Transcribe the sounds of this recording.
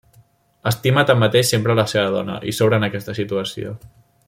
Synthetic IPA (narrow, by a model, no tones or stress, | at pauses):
əst̪imət̪amːət̪eʃsempɾələseβəðɔ̰nə̰ʔisoβɾəːnəkɛst̪əsit̪uəsio̰